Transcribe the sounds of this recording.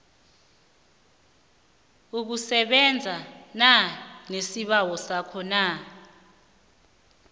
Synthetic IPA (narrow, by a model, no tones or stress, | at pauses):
uk̬usɛɓɛnd͡zʱananesiɓawɔsakʰɔna